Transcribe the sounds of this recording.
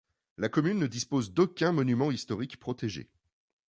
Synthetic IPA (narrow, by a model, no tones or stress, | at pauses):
lakɔmynːəd̪ispozd̪okʲɛ̃mɔnymɑ̃ist̪ɔʁikpχɔt̪eʒḛ